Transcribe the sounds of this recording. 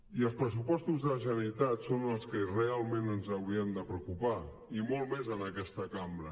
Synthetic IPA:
iəlˠspɾəsupɔst̪uzðələʒənəit̪at̪sonəlˠskərealˠmẽnənzəwɾiənd̪əpɾəukupa | imolˠmezənəkɛst̪əkambɾə

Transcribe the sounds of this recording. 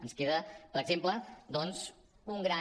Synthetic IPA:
ənskeðəpəɾəɡzempləd̪ɔnz | uŋɡɾa

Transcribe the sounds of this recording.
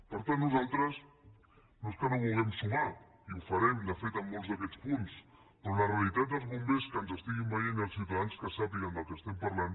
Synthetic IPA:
pəɾt̪anːuzalˠt̪ɾəs | noeskənoβulˠɣɛmsuɣa | iufɐɾɛmd̪əfet̪əmːolˠzðəkɛt͡spuns | p̪onləreəlit̪at̪əlˠzβumbeskənzəst̪iɣimbajenəlˠsiwt̪aðanskəsapiɣənd̪əlˠkəst̪ɛmpaɾlan

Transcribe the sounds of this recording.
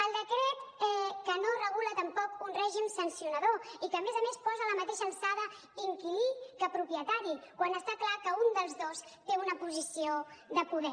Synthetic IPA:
əlˠd̪əkɾɛt̪ɛkənorəɣulət̪əmpɔkunrɛʒimsənsiunəðoikəːmezəmespɔzələmət̪eʃəlˠsaðə | iŋkilikəpɾupjət̪aɾikwanəst̪aklakəund̪əlˠzðost̪eunəpuzisioðəpuðɛ

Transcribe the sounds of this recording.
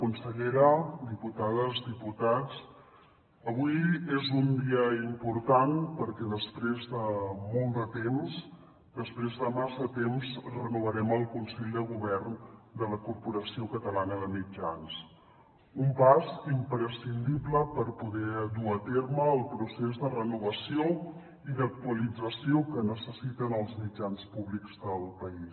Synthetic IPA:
kunsəʎeɾəd̪iput̪aðəzd̪iput̪at͡s | əβujezund̪iəimpuɾt̪anpəɾkɛðəspɾezðəmɔlˠd̪ət̪ems | d̪əspɾezðəmasət̪emzrənuβ̞əɾɛməlˠkunsɛʎd̪əɣ̞uβ̞ɛɾnd̪ələkuɾpuɾəsiokət̪əlanəðəmid͡ʒans | umpazimpɾəsind̪ibləpəɾpuðɛd̪uət̪eɾməːlˠpɾusezðərənuβəsio | iðək̚t̪uəlid͡zəsiokənəsəsit̪ənəlˠzmid͡ʒanspuβlikzd̪əlˠpəis

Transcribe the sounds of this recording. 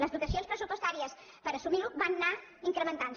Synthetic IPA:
ləzðut̪əsionspɾəsupost̪aɾiəs | pəɾəsumiɾubanːaiŋkɾəmənt̪ans

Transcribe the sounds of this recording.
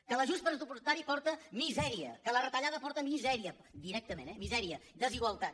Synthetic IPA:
kələʒuspəɾəzd̪upust̪aɾipɔɾt̪əmizɛɾiə̰kələrət̪əʎaðəpɔɾt̪əmizɛɾiə | d̪iɾɛk̚t̪əmẽnɛmizɛɾiəd̪əziɣwəlˠt̪at̪̚

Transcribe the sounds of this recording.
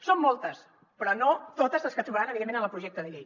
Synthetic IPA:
somːolˠt̪əs | pɾɔnot̪ot̪əzəlskət̪ɾuβəɾanəβiðemːẽnə̃nəlˠpɾuʒɛk̚t̪əðəʎej

